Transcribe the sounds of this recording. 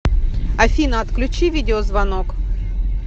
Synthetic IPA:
ɐfʲinɐɐt̪klʲʉt͡ɕivʲidʲɪozvɐnok

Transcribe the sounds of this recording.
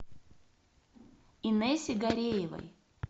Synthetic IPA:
inɛsʲɪɡɐɾʲejɪvɐ̰j

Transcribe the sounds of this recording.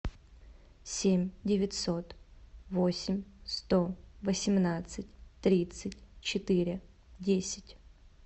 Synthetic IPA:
sʲemʲdʲɪvʲɪt̪ʲso̞t̪vosʲɪmʲst̪ovəsʲɪmnat̪sɨt̚ʲt̪ɾʲit̪sɨtʲt͡ɕɪt̪ɨɾʲɪ | dʲesʲɪ̥tʲ

